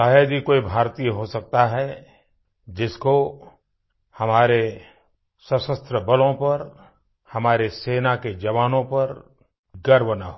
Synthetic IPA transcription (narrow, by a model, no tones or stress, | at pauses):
aːjad̪ikoːibʱaːɾt̪ijəɦosɐk̚t̪aɦɛ | d͡ʒɪsko | hɐmaːɾe | sɐsəst̪ɾəbɐlõpɐɾ | hɐmaːɾeseːnaked͡ʒɐʋaːnõpɐɾ | ɡɐɾbəna̰ɦo